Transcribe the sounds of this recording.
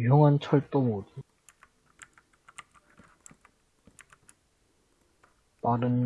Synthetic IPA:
joŋɦant͡ɕʰʌɭt͈omodu | paɾɯnː

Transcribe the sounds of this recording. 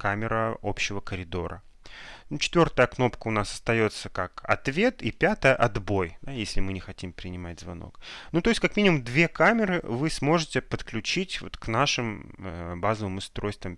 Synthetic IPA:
kamʲɪɾəopɕːɪvəkəɾʲɪd̪o̞̰ɾʔə̰ | nut͡ɕɪ̥t̪vʲo̞rt̪əjəkno̞pkəʊnasɐ̥st̪ɐjo̞t̪səkakɐ̰t̪vʲe̞t̪ipʲat̪əjəʔɐd̪bo̞jd̪ajesʲlʲɪmɨnʲɪxɐtʲimpɾʲɪnʲɪmatʲzvɐ̰no̞̰knut̪o̞jɪsʲtʲkɐkmʲinʲɪmʊmd̪vʲe̞kamʲɪɾɨvɨsmo̞ʐɨtʲɪpət̪klʲʉt͡ɕitʲvo̞̰t̪knaʂɨməbazəvəmʊst̪ɾo̞jst̪vʲəm

